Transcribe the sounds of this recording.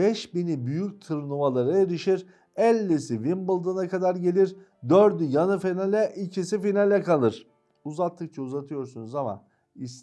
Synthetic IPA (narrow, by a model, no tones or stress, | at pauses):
bɛʃbinibyjyc̚t̪ʰɯɾnˠumalˠaɾaeɾiʃiɾ | ɛlʲːisivimbɯlˠd̪ɯnakʰad̪aɾɟe̞lʲiɾ | d̪øɾd̪yjanɯfinalʲɛʔicʰisifinalʲɛkʰalˠɯɾ̝̥ | uzat̪ʰːɯk̚t͡ʃʰauzat̪ʰɯjo̞ɾsunuzama̰ | is